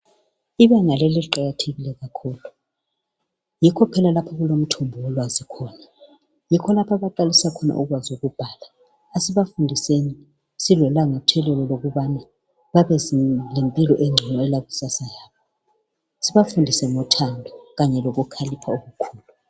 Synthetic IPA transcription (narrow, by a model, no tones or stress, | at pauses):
iβɛŋalɛlɛǃaɣatʰeɣilɛɣakʰuːlu | jikʰɔpʰɛlalapʰaɣulom̩tʰɔmbʱɔwɛlwazikʰɔna | jikʰɔlapʰaβaǃalisakʰɔna̰ʔuɣwazuɣub̥ʱalaː | siβafundʱiseni | silɔlaŋatʰɛlɛlɔloɣuβana | βaβɛzilempʼilɔʔeŋ͡ǀʱinɔɛlaɣusasajaːa | siβafundʱisɛŋɔtʰandʱɔɣaɲɛloɣukʰalipʰaoɣukʰuːlu